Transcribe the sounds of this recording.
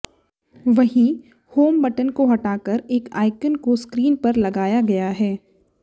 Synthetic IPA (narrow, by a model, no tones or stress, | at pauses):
ʋɐɦĩ | hoːmbɐʈənkoɦɐʈaːkəɾeːka̰ːɪkənkoskɾiːnpɐɾlɐɡaːjaɡɐjaɦɛː